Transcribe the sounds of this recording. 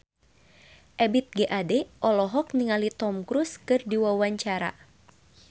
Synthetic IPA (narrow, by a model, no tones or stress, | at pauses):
ʔɛbit̪̚ɡeʔadɛʔɔlɔɦɔkniŋalit̪ɔmkɾuskɨrdiwawaɲt͡ʃaɾa̰